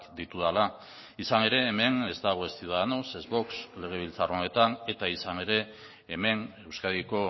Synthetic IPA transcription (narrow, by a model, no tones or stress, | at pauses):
kd̪it̪uðala | isane̞ɾe̞ːme̞ne̞zt̪aɣ̞o̞e̞st̪iono̞sezβo̞ksle̞ɣ̞e̞β̞ilt͡saro̞ne̞t̪ane̞t̪aisane̞ɾe̞ː | me̞ne̞wskaðiko̞